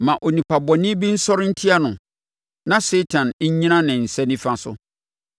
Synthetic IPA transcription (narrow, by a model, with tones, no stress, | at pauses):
mã˨ʔo˨nĩ˨pʰa˨bɔ˨nɪ̃˦bi˦n̩˦sɔ˦ɾɪ˦n̩˦tʰi˦a˦nʊ̃˨ | nã˦se˦tʰã˨n˦ɲ˦ɲĩ˦nã˦nɪ̃˨n̩˨sɛ˦nĩ˦fã˦sʊ̰˦